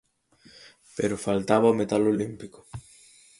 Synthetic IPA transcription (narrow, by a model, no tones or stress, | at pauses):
peɾofalt̪aβaomet̪alolimpiko̥